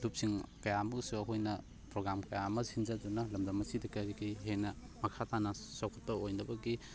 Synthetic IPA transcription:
lup̚siŋkɐjamɐsuɐɦojnɐ | pɾoɡɾamkɐjamɐsind͡ʒɐdunɐlɐmdɐmːɐsidɐkɐɾikiɦenɐ | mɐkʰatanɐsokʰɐ̥t̚pɐojnɐbɐɡi

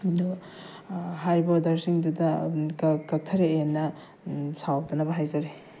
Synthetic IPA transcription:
du | ɦajbɐdɐɾsiŋdudɐkkɐk̚tʰɐɾeenːɐ | sawak̚dɐnɐbɐɦajzɐɾe

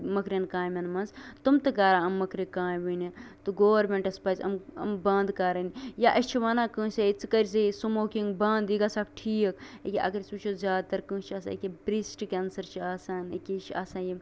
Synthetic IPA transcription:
mɐkɾʲɐnkaːjmʲɐnmɐnzt̪umt̪ɨkaːɾãːɐmːɐkɾʲekãːjʋiːnit̪uɡoːʋɐɾmẽɳʈɐspaːzʲɐ̰mɐ̰mbɐ̃ːnd̪kaːɾɐnijaʔɐst͡ʃʰiʋaːnaːkɨ̃ːseit͡sɨkɐɾʲs̬esumoːkĩŋɡbɐːnd̪iɡasaːkʈʰiːɐkekʲiʔɐ̰ɡɐɾisut͡ʃʰozʲjaːd̪̚t̪ɐɾkɨ̃ːt͡ʃʰiɐːsa̰ekʲebɾiːsʈkʲeːnsɐɾt͡ʃʰiaːsaːnɐ̰kʲit͡ʃʰiaːsaːji

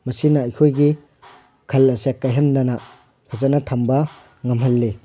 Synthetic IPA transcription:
mɐsinaɐjkʰojɡi | kʰɐlɐsekːajɦɐnːɐna | kʰɐzanɐtʰɐmbɐ | ŋɐmɦɐlːe

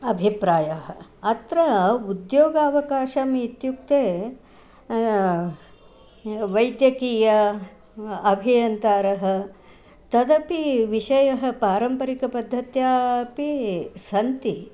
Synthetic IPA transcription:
ɐbʱipɾaːjaɦɐ̆ɐt̪ɾɐud̪joːɡaːʋɐkaːʃɐmit̪juk̚t̪eː | ʋɐjd̪jɐkiːjɐ | ɐbʱijɐnt̪aːɾɐɦɐ̆ | t̪ɐd̪ɐpiʋiʃɐjɐɦɐ̆paːɾɐmpɐɾikɐpɐd̪ʱːɐt̪jaːpisɐnt̪i

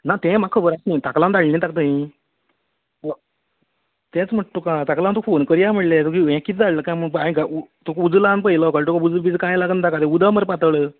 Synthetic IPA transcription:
nat̪ɛ̃makʰəbəɾasnĩt̪aklãnd̪aɭlːĩt̪akt̪ə̃ɦĩ | t̪ɛ̃t͡sm̤əʈ̚t̪ːokãt̪aklãnt̪ofonkəɾjam̤əɽlet̪ukiʋɛ̃kit̪d͡zaɭləkãjməpaĩkaut̪ukud͡zlãnp̬əjilakaɾʈukãud͡zbid͡zkãjlaɡənt̪akat̪ẽud̪əməɾpat̪əɭə

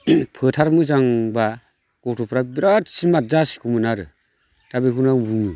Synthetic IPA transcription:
pʰɯtʰaɾmɯzaŋba | ɡ̥ɔtʰɔpʰɾabiɾatsimazasi̥kʰumɯnaɾɯ | tabekunaŋbumɯ

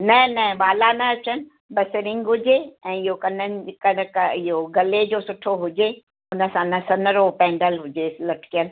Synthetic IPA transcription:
nɐ̃nɐ̃ɓaːlanɐɐt͡ɕənɪ̆ | bɐsɪɾɪ̃ŋɡɦʊd͡ʑeɛ̃ːɪɦokɐnənɪkɐnkɪɦoɡɐled͡ʑoːsʊʈʰoɦʊd͡ʑe | ʊnə̆sãnɐsɐnəɾopɛ̃ːɳɖəlɦʊd͡ʑeslɐʈʰkijəl

